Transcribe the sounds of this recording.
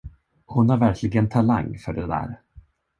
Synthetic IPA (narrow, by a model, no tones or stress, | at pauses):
hʊnaɾvæɾkʰlɪɡənt̪ʰala̰ŋːfœɖɛd̪æ̰ːɾ